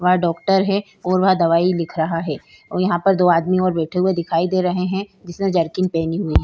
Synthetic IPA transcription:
ʋɐɦãɖɔːk̚ʈəɾɦɛ | ɔːɾʋɐɦãd̪ɐʋaːilɪkʰɾɐɦaɦɛː | jɐɦãpɐɾd̪oːaːd̪miɔːɾbɛːʈʰeɦued̪ɪkʰaːid̪eːɾɐɦeɦɛ̃d͡ʒɪsnẽd͡ʒɐɾkɪnpɛːniɦʊiɦɛː

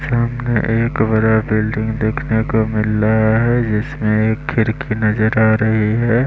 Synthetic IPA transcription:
saɐmneʔeːkbɐɾabɪlɖɪ̃ŋɡd̪eːkʰnekomɪlːaɦaɦɛd͡ʒɪsmẽeːkʰːɪɾkʰinɐzəɾaːɾɐɦiɦɛː

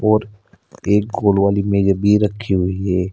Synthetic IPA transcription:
ɔːɾ | eːk̚ɡoːlwaːlimẽd͡ʒəbʱiɾəkʰːiɦʊiɦɛː

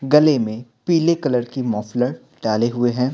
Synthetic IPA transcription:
ɡɐlemẽpiːlekɐləɾkimɔːfləɾ | ɖaːleɦʊeɦɛ̃ː

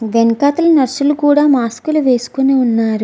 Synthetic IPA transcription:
ʋenkaːt̪ɐlɐnɐɾsulukuːɽaːmaːskuluʋe̞ːsu̥kuneunːaːɾu

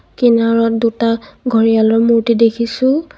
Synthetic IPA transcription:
kinaɹɔt̚dutaɡʱɔɹialɔɹmuɹtidekʰisʊ̃

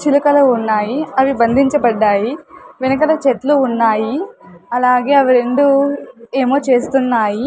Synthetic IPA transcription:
t͡ʃilɐkɐlounːaːjiɐʋibɐnd̪ʱiɲt͡ʃɐbɐɖːaːjiʋenɐkɐlɐt͡ʃet̪luːnːaːjiɐlaːɡe̞ːɐʋiɾeɳɖueːmoːt͡ʃe̞ːst̪unːaːji

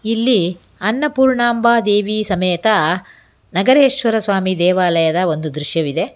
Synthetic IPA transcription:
ilːi | ɐnːɐpuːɾɳaːmbaːd̪eːʋiːsɐmeːt̪ɐ | nɐɡɐɾeːʂʋɐɾɐsʋaːmid̪ɛːʋaːlɐjɐd̪ɐo̞nd̪ud̪ɾuʃjɐʋid̪e̞

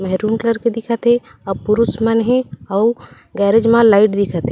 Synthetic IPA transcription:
mɛɦɾuːmkləɾked̪ɪkʰət̪ɦe | ɔpʊɾusmanɦẽɔː | ɡɛːɾed͡ʒmãlaːɪʈd̪ɪkʰət̪ɦe

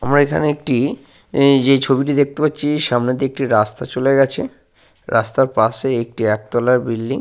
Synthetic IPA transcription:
a̰mɾaekʰa̰neek̚ʈi | d͡ʑejt͡ɕʰobiʈid̪ek̚t̪epatːɕʰiʃamned̪iek̚ʈiɾast̪at͡ɕoleɡɛt͡ɕʰḛ | ɾʔast̪aɾpaseek̚ʈiɛk̚d̪ɔlaɾbilɖiŋ

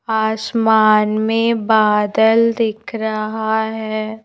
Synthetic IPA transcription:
aːsmaːnmẽbaːd̪əld̪ɪkʰɾɐɦaɦɛː

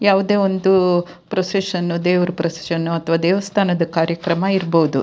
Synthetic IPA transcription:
jaːʋud̪eːʋo̞nd̪u | pɾoseʂɐnːud̪eːʋɐɾupɾɐse̥ʃɐnːuɐt̪ʰʋaːd̪ɛːʋɐst̪ʰaːnɐd̪ɐkaːɾjɐkɾɐmɐiɾboud̪u

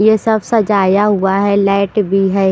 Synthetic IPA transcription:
jesɐbsɐd͡ʒaːjaɦuaɦɛlaːʈbʱiɦɛː

